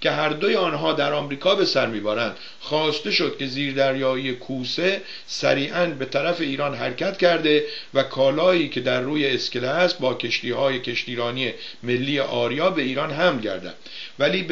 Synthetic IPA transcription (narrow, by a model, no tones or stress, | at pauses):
cʲʰe̞ɦæɾd̪o̞jeɒːnɦɒːd̪æɾɒːmɾiːkʰɒːbe̞sæɾmiːbæɾænd̪̥ | xɒːst̪e̞ʃo̞d̪̥̚kʰe̞ziːɾd̪æɾjɒːiːjekʰuːse | sæ̰ɾiːʔænbe̞t̪ʰæɾæfe̞iːɾɒːnɦæɾcʲʰæt̪cʰæɾd̪e̞vækʰɒːlɒːiːcʰe̞d̪æɾːuːjeːskeleæst̪̚bɒːkʰe̞ʃt̪iːhɒːjecʰe̞ʃt̪iːɾɒːnije | me̞lːiːjeʔɒːɾijɒːbe̞iːɾɒːnɦæmlɟæ̰ɾd̪æ̰nd̪væliː